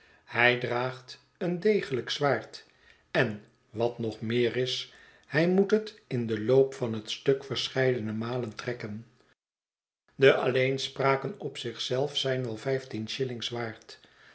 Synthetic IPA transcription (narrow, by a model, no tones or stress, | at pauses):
hɛjdraːχt | əndejχələksʋaːɹt | ɛn | ʋɑtnɔχmɪːrɪs | hɛjmutɦətɪndəlowpfɑnɦətstɵkfəɹsχɛjdənəmaːləntrɛkən | dəʔɑlejnspraːkənɔpsɪχsɛlˠfsɛjnʋɛlˠvɛjftinʃɪlɪŋzʋaːɹt